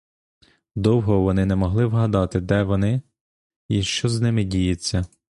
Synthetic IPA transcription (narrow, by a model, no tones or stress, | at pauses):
d̪ɔwɦɔʋɔnɪnɛmɔɦlˠɪwɦɐd̪ɑt̪ɪd̪ɛʋɔnɪ | iʃt͡ʃɔznɪmɪdʲijɐt͡sʲːɐ